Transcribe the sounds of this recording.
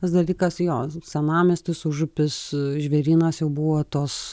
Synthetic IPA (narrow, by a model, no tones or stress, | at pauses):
t̪ɐsd̪ɐlʲiːkɐsjoːsʲɛnɑːmʲɪst̪ɪsʊʒʊpʲɪsʒʲʋʲɛɾʲiːnɐsjɛʊbuʋot̪oːs